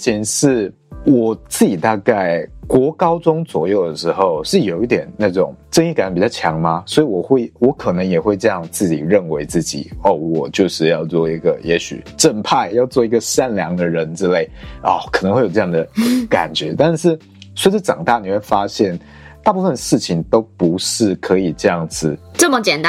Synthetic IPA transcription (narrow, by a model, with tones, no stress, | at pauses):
t͡ɕʰi˧˥nʂɻ̩˥˩ | wɔ˨˩t͡sɹ̩˥˩t͡ɕi˨˩t̪a˥˧ka˥˩ɪkwɔ˧˥kɑ˥ʊʈ͡ʂʊ˥ŋt͡swɔ˨˩jo˥˩ʊd̪ə˩ʂɻ̩˧˥xo˥˧ʊʂɻ̩˥˩jo˨˩ʊi˥˩t̪jɛ˨˩nna˥˩ʈ͡ʂʊ˨˩˦ŋʈ͡ʂə˥˧ŋi˥˩ka˨˩n˧˥˩pi˨˩t͡ɕɑ˥˩t͡ɕʰjɑ˧˥ŋma˧swɔ˧˥i˨˩wɔ˨˩xwe˥˩ɪwɔ˧˥kʰɤ˨˩nɤ˧˥ŋjɛ˨˩xwe˥˧ɪʈ͡ʂɤ˥˧jɑ˥˧ŋt͡sɹ̩˥˩t͡ɕḭ˨˩ɻə˥˩nwe˧˥ɪt͡sɹ̩˥˩t͡ɕḭ˨˩ɔ˥˩wɔ˨˩t͡ɕjo˥˧ʊʂɻ̩˥˧jɑ˥˧ʊt͡swɔ˥˩i˧˥ɡə˩jɛ˧˥ɕy̰˨˩ʈ͡ʂə˥˧npʰa˥˧ɪjɑ˥˧ʊt͡swɔ˥˩i˧˥ɡə˨ʂa˥˩nljɑ˧˥ŋd̪ə˨ɻə˧˦nʈ͡ʂɻ̩˥le˥˩ɪɔ˥˩kʰɤ˨˩nə˧˦ŋxwe˥˧jo˨˩˧ʈ͡ʂjɑ˥˩ŋd̪ə˩ka̰˨˩nt͡ɕɥɛ˧˥t̪a˥˧nʂɻ̩˥˩ | swʈ͡ʂ̩ə˥˩ʈ͡ʂɑ̰˨˩ŋt̪a˥˩ni˨˩we˥˩ɪfa˥ɕjɛ˥˩n | t̪a˥˧pu˥˩fə˨nʂɻ̩˥˩t͡ɕʰi˩ŋt̪o˥ʊpu˧˦˥ʂɻ̩˥˩kʰɤ˧˥i˨˩ʈ͡ʂɤ˥˧jɑ˥˩ŋd͡zɹ̩˨˩ʈ͡ʂə˥˩mə˨t͡ɕjɛ˨˩nt̪